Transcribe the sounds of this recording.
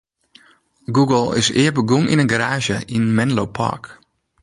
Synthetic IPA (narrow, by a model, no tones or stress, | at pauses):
ɡuɡəlˠɪ̰sɪ̰ːəbəɡumḭnənɡaɾaːʒjəʔinmɛnlowpʰa̰ɹk